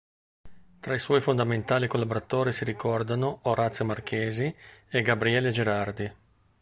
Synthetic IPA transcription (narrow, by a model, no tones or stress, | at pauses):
t̪ɾaiswɔːjfond̪ament̪aːlikolːaboɾat̪oːɾisiɾikɔrd̪anooɾat̪sjomark̟ʰeːzieɡabɾiɛled͡ʒeɾard̪i